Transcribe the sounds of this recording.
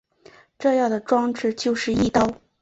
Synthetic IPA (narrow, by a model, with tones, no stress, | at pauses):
ʈ͡ʂɤ˥˧jɑ˥˩ŋd̪ə˩ʈ͡ʂwɑ˥ŋʈ͡ʂɻ̩˥˧t͡ɕjo˥˧ʊʂɻ̩˥˧i˥˩t̪ɑ˥˩ʊ